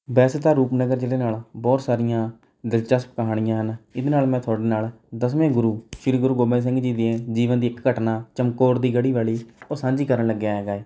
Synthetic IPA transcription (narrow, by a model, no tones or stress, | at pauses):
bɛːst̪aːɾuːpnəɡəɾd͡ʒeːd̪eːnaːlbɔːt̪saːɾɪjãː | d̪əlt͡ʃəspkəɦaːɽ̃ɪjãːɦənɪd̪eːnaːlmɛ̃ːt̪ʰʊaːɖeːnaːl | d̪əsʋẽːɡʊɾuːʃɪɾiːɡʊɾuːɡoːbẽːs̬ɪ̃ŋɡd͡ʒiːd̪eẽːd͡ʒiːʋənd̪iːɪkːəʈnaːt͡ʃəmkoːɾd̪iːɡəɽiːʋaːɭiːoːsãːɲd͡ʒiːkəɾənləɡːjaːɦeːɡaːeː